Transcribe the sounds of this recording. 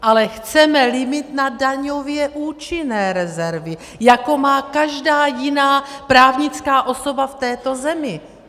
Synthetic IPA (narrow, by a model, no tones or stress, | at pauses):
ʔalɛxt͡sɛmɛlɪmɪt̪nadaɲovjɛʔuːt͡ʃɪnɛːɾɛzɛɾvɪ | jako̞maːkaʒdaːjɪnaːpɾaːvɲɪt͡skaːʔo̞so̞baft̪ɛːt̪o̞zɛmɪ